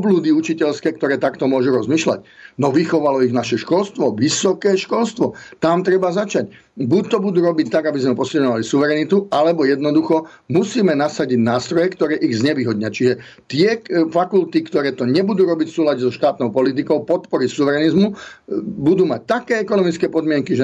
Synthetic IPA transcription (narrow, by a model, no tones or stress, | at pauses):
ɔbluːd̪iut͡ʃicɛlskɛːkt̪ɔɾɛːt̪akt̪ɔmʊɔʒuɾɔzmiːʃla̰cnɔʋixɔʋalɔiɣnaʃɛʃkɔlst̪ʋɔʋisɔkɛːʃkɔlst̪ʋɔt̪amt̪ɾɛbazat͡ʃac | buc̚t̪ɔbud̪uːɾɔbict̪aɡabizmɛpɔsilɲɔʋalisuʋɛɾɛnit̪ualɛbɔjɛd̪nɔd̪uxɔ | musiːmɛnasaɟiɟnaːst̪ɾɔjɛkt̪ɔɾɛːʔiɣzɲɛʋiːɦɔd̪ɲɪat͡ʃiʒɛ | t̪ɪɛfakult̪ikt̪ɔɾɛːt̪ɔɲɛbud̪uːɾɔbicfsuːlaɟɛzɔʃt̪aːt̪nɔʊpɔlit̪̬ikɔʊpɔt̪pɔɾisuʋɛɾɛnizmu | bud̪uːmac̚t̪akɛːɛkɔnɔmit͡skɛːpɔd̪mɪɛŋkiʒɛ